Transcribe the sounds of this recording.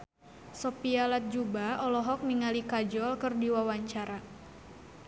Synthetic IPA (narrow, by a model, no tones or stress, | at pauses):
sɔpialat̪̚d͡ʒubaɔlɔɦɔk̚miŋalikad͡ʒɔlkɨrdiwawaɲt͡ʃaɾa